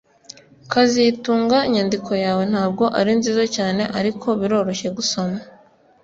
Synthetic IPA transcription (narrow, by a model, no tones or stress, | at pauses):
kazituːŋɡaiɲandikʰo̞jaːwe̞n̥haːb̚ɡo̞ʔaɾinziːzacaːne̞ʔaɾikʰo̞βiɾo̞ːɾo̞çe̞ɡuso̞ma